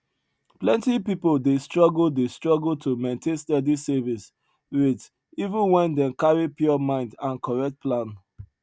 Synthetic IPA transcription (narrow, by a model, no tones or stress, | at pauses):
plɛ̃ntipipoldestɹɔɡl̩destɹɔɡltʰumẽntʰẽnstɛdisɛvis | wit | ivũnwɛ̃ndɛ̃mkaɹipjɔmãɪ̃ndãnkɔɹɛk̚t̚pʰlãn